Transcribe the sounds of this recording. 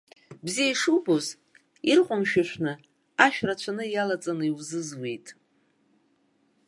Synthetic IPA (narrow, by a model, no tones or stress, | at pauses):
bzijaiʂuwboz | irqʷʼʊmʃᶣaʃʷʰnɨ | aʃᶣrat͡ɕʷʰanɨjalat͡sʼanɨiwzɨzwejtʼ